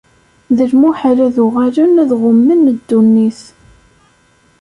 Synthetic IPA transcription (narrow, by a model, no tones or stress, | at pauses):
ðəlmuħaɾæðʊʁalənæðʁʊmːənːəd̪ːunːiθ